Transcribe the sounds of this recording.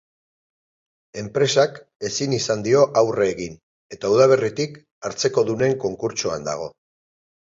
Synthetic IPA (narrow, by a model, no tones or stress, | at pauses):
e̞mpɾe̞sak | e̞sinisand̪io̞ʔawreːɣin | e̞t̪auðaβ̞e̞rit̪ik | aɾt͡seko̞ðune̞ŋko̞ŋkuɾt͡ʃua̰nd̪a̰ɣ̞o̞